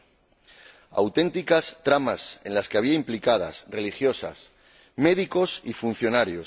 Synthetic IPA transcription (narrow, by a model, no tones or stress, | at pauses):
a̰wt̪e̞nt̪ikast̪ɾamasẽ̞̰nlaske̞aβ̞iaimplikað̞a̰sre̞lixjo̞sa̰s | me̞ðiko̞sifun̟θjo̞naɾjos